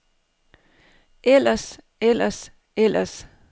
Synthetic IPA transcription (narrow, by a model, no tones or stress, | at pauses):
ʔelɐs | elɐs | elɐs